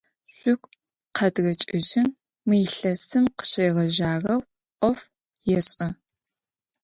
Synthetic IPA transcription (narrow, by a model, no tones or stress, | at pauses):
ɕʷʼʊkʷʼ | qʰɐdɣɐt͡ʃʼɪʑɪn | mɨɬɐsɨmqə̥ɕejʁɐʒaːrɐw | ʔʷʼɔf | jɛɕʼɐ